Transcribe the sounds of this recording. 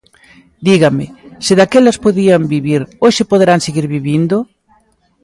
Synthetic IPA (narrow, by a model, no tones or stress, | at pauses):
d̪iɣamɪsɪðakelɐspoðiambiβiɾoʃɪpoðeɾaŋseɣiɾβiβind̪ʊ